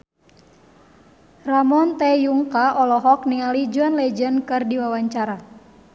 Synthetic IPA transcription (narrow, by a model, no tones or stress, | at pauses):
ramɔnt̪ɛjuŋkaʔɔlɔɦɔk̚niŋalid͡ʒuanlɛd͡ʒənkɨrdiwawaɲt͡ʃaɾa